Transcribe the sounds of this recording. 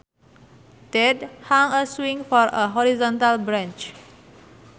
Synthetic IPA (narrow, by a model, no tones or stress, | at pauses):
tɛdhãŋəswĩŋfɔɹəɦɔɹizɔ̃nt̪albɹãnt͡ʃ